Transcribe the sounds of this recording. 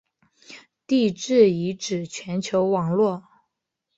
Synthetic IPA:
t̪i˥˧ʈ͡ʂɻ̩˥˩i˧˥ʈ͡ʂɻ̩˨˩t͡ɕʰɥɛ˧˥nt͡ɕʰjo˧˥ʊwɑ˨˩ŋlwɔ˥˩

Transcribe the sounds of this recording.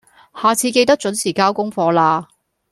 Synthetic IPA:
haː˨t͡sʰiː˧ke˧jt̪ɐ˥k̚t͡ʃɵ˨˥nsʰiː˨˩kaː˥wkʊ˥ŋfɔː˧laː˧

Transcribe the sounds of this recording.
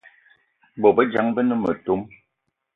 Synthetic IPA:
bɔ˨bə˦d͡ʒa˨ŋbə˦nə˦mə˨to˦m

